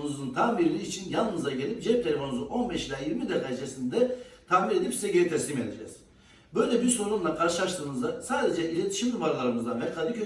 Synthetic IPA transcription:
nuzunt̪ʰambiɾilʲiːt͡ʃʰinjalˠnɯzaɟe̞lʲip̚d͡ʒɛp̚t̪ʰelʲefo̞nuzuʔo̞nbɛʃlʲɛjiɾmid̪ɛkʰad͡ʒesind̪ɛt̪ʰamiɾe̞d̪ipseɟejɛt̪ʰɛslʲiːme̞d̪ed͡ʒɛ̰ːz̥ | bø̞jlʲɛbiɾso̞nunlˠakʰaɾʃɯlˠaʃt̪ʰɯːmɯzd̪asaːd̪e̞d͡ʒɛʔilʲet̪ʰi̥ʃimd̪ubaɾlˠaɾɯmɯzd̪anvɛkʰad̪icʰø

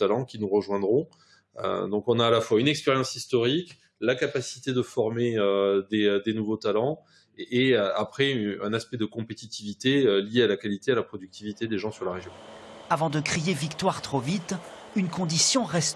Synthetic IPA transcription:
alɑ̃kʲinuʁəʒwɛ̃d̪ʁɔ̃ | ø̰d̪ɔ̃kɔ̃naːlafwaynɛkspɛʁjɑ̃sist̪ɔʁik | lakapasi̥t̪ed̪əfɔʁmeød̪ed̪enuvot̪alɑ̃ | eøapχɛyɛ̃naspɛd̪əkɔ̃pet̪it̪ivit̪eøljealakalit̪ealapχɔd̪yk̚t̪ʰivit̪ed̪eʒɑ̃syʁlaʁeʒjɔ̃avɑ̃d̪əkχijevikt̪waʁt̪χovit̪ | ynkɔ̃d̪isjɔ̃ʁɛst̪

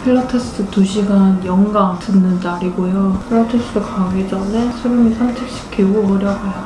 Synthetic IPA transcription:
pʰiɭːatʰesʰɯtuɕʰiɡanjʌŋɡaŋtʰɯnːɯntaɾiɡojopʰiɭːatʰes͈ɯdʰokaɡed͡ʑʌnesʰɯɾɯmisʰamt͡ɕʰek̚ɕ͈i̥kk͈ʰeɡuʌɾjʌɡajo

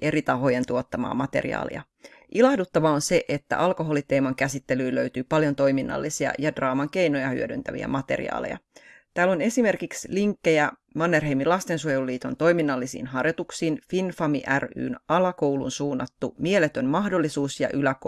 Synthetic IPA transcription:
ʔe̞ɾit̪ɑɦo̞je̞nt̪uo̞t̪ːɑmɑ̰ːmɑt̪e̞̰rḭɑ̰ːlḭjɑ̰ | ʔilɑhdut̪ːɑʋɑonse̞ʔet̪ːæ̰ʔɑlko̞ɦo̞lit̪eːmɑŋkæsit̪ːelyːløyt̪yːpɑljo̞nt̪o̞jminːɑ̰lːisiɑ̰jɑdrɑːmɑŋk̟e̞jno̞jɑhy̰ødynt̪æʋḭæ̰mɑt̪e̞̰rḭɑ̰ːlḛjɑ̰ | t̪æːlo̞ne̞sime̞rkiksliŋkːejæ | mɑnːerɦeimilɑst̪e̞nsuojeluliːt̪ont̪o̞jminːɑlːisḭːnɦɑrjot̪uksiːnfinfɑmiʔæry̰ːnɑlɑko̞wlṵnsuːnːɑt̪ːumielet̪o̞nmɑhdo̞lːisuːsjɑ̰ʔylæk

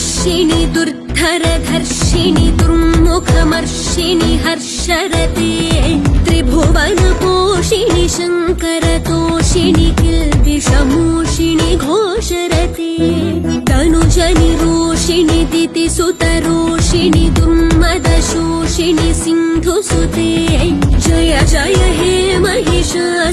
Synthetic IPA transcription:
ʃinid̪uɾd̪ʱɐɾɐd̪ʱɐɾʃinid̪uɾmmukʰɐmɐɾʃiniɦɐɾʃɐɾɐt̪eːt̪ɾibʱoʋɐnɐkoːʃiniʃɐŋkɐɾɐt̪oːʃinikilt̪iʃɐmoːʃiniɡʱoː | ʃɐɾɐt̪eː | d̪ɐnud͡ʒɐniɾoːʃinit̪it̪isut̪ɐɾoːʃinid̪uɾmmɐd̪ɐʃoː | ʃinisind̪ʱusut̪eːd͡ʒɐjɐd͡ʒajɐɦe | mɐɦiʃɐ

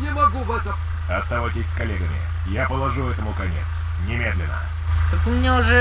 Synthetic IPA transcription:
nʲɪmɐɡuvɛt̪əm | ɐst̪ɐvajtʲɪsʲskɐlʲeɡəmʲɪ̰ | japəlˠɐʐuɛt̪əmʊkɐnʲḛt̪s | nʲɪmʲe̞d̪lʲɪ̰nːə̰ | t̪əkʊmʲnʲeʊʐɛ

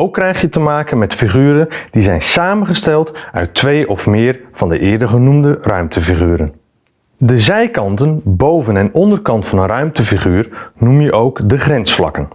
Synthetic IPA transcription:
owkːrɛjχjətəmaːkənmɛtfiχyːɾənd̥izɛjnsaːmənχəstɛlˠtœ̰ɥtʰːʋejʔɔfmɪːrv̥ɑndəʔɪːɹdəχənumdərœɥmtʰəfiχyːɾən | dəzɛjkɑntənbowvənɛnɔndərkɑntfɑnənrœɥmtəfiχyːrnumjəʔowkdəχrɛnsflɑ̰kən

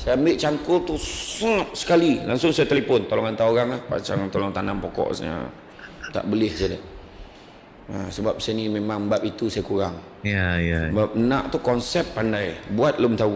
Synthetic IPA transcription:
sajaambɪʔt͡ʃaŋkʊlt̪usəŋəp̚sə̥kalilaŋsʊŋsajat̪əlepʊnt̪olɔŋant̪aoɣaŋlahpa̰t͡ʃaŋt̪olɔŋt̪anampokɔ̰ʔsə̰ | t̪a̰ʔbəlɪhsadə | əsəbap̚snimemaŋbap̚it̪usajakuɾaŋ | jajabap̚ənaʔt̪ukɔnsɛpːandajbuat̪̚lʊmt̪a

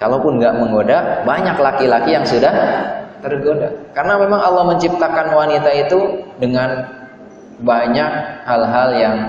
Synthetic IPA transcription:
kalopʊnŋɡaʔməŋɡodabaɲaklakilakijaŋsudaht̪ərɡodakaɾənamemaŋalːɔhməɲt͡ʃip̚t̪akanwanit̪ait̪udəŋan | baɲak̚halɦaljaŋ

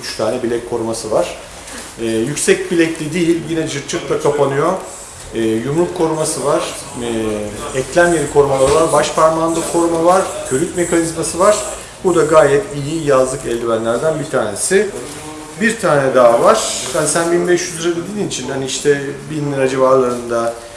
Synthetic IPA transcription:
yt͡ʃt̪ʰaːnɛbilɛckʰo̞ɾumasɯvaɾ̥ | ɛːjycʲsɛc̚bilʲɛclʲid̪ijilʲjinɛd͡ʒɯɾt͡ʃʰɯkt̪ˠakʰapʰanɯjo̞ː | jumlˠukʰːo̞ɾumasɯvaɾ̥ | ɛclʲæmjeɾikʰo̞ɾumalˠaɾɯvaɾbaʃpʰaɾmand̪ˠɯkʰo̞ɾumavaɾ̥cʰøɾyt̪me̞kʰanizmasɯvaɾ̥ | bud̪aɡaːjɛt̪ʰijijazlˠɯkɛlʲːimænlʲæɾd̪ænbit̪ʰaːnesɪ | biɾt̪ʰaːnɛd̪aːvaɾ̥hanisænbinbɛʃjyzyɾad̪ed̪ininit͡ʃʰinhaniiʃt̪ʰɛbinːʲiɾad͡ʒivaɾlˠaɾɯnd̪a

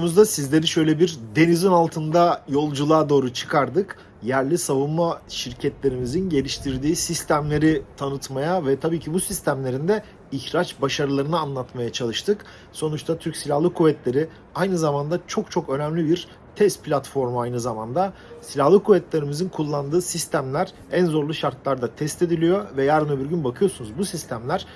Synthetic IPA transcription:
muzd̪asizlʲe̞ɾiʃø̞jlʲɛbiɾd̪e̞nizonalˠt̪ʰɯnd̪ajo̞lˠd͡ʒulˠaːd̪o̞ːɾut͡ʃʰɯ̥kʰaɾd̪ɯk | jæɾlʲisavunmaʃiɾcʰɛt̪lʲe̞ɾimizinɟe̞lʲiʃt̪ʰiɾd̪iːsist̪ʰæmlʲe̞ɾit̪ʰanɯt̪majavɛt̪ʰabiːcʰibusist̪ʰæmlʲe̞ɾind̪ɛ | içɾat͡ʃbaʃaɾɯlˠaɾɯnɯanlˠat̪majat͡ʃʰalˠɯʃt̪ʰɯk | so̞nut͡ʃt̪ʰat̪ʰyɾcsilʲahlˠɯkʰuvɛt̪lʲe̞ɾi | ajnɯzamand̪at͡ʃʰo̞kt͡ʃʰo̞kø̞næmlʲibiɾ | t̪ʰɛst̪̚pʰlʲat̪fo̞ɾmuajnɯzamand̪asilʲahlˠɯkʰuvɛt̪lʲe̞ɾimizinkʰulˠːand̪ɯːsist̪ʰæmlʲæɾ̥ | ænzo̞ɾlˠuʃaɾt̪lˠaɾd̪at̪ʰɛst̪e̞d̪ilʲijo̞vɛjaɾɯnabiɾɟynbakʰɯjo̞sunuzbusist̪ʰæmlʲæɾ̥

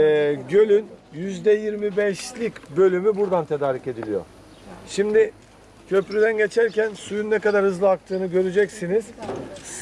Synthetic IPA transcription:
ɛːɟø̞lʲynjyzd̪ɛjiɾmibɛʃlʲicbø̞lʲymybuɾd̪ant̪ʰe̞d̪aːɾice̞d̪ilʲijo̰ | ʃimd̪ɪ | cʰø̞pɾyd̪ænɟe̞t͡ʃʰæɾcʰænsujunːɛkad̪aɾhɯzlˠɯak̚t̪ʰɯːnɯɟø̞ɾyd͡ʒɛcsiniz̥

